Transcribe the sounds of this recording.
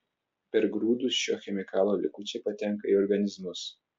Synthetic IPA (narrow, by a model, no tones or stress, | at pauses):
pʲɛɾɡɾuːd̪ʊsʃʲo̰ːxʲɛmʲɪkɑːlˠoːlʲɪ̰kʊt͡ʃʲɛːpɐt̪ʲɛŋˑkɐiɔɾɡɐnʲɪzmʊs